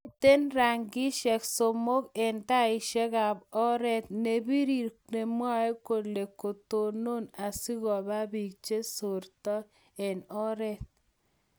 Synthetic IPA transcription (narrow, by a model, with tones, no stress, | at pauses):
t̪e˦nɾa˨ŋɡi˦ʃɛ˨kso˨mo˦ke˨nta˦ɪ˨ʃɛ˦ɣa˨bɔ˦ɾɛ˦t̪̚ne˨bi˦ɾi˨ɾne˨mwa˦e˦ko˨le˨ko˨t̪o˨no˦na˨si˦ɣɔ˨βa˦bi˨k̚t͡ʃe˦so˨ɾtɔ˦ | e˨nɔ˦ɾɛ˦t̪̚